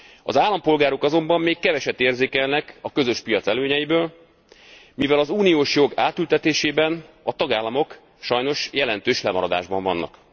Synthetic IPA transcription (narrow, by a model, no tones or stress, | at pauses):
ɒ̰zaːlːɒmpo̞lɡaːɾo̞kɒzo̞mbɒmːeːkːɛvɛʃɛt̪ːeːrzeːkɛlnɛkɒkøzø̞ʃpijɒt̪sɛløːɲɛjibøːl | mivɛlɒzuːnijoːʃjo̞ɡaːt̪ylt̪ɛt̪eːʃeːbɛnɒt̪ɒɡaːlːɒmo̞k | ʃɒjno̞ʃjɛlɛn̪t̪øːʃlɛmɒɾɒd̪a̰ːʒbɒɱvɒnːɒ̰k